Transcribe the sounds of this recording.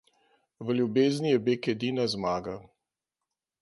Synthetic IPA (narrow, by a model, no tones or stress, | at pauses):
ʋəljubeːznʲijɛbekɛd̪inazmaːɡa